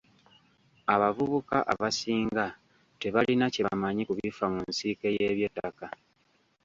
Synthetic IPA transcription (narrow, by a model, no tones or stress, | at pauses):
aβavuβukaʔaβasiːŋɡa | te̞βalinacemaɲikuβifamunsike̞je̞βjo̞tːaka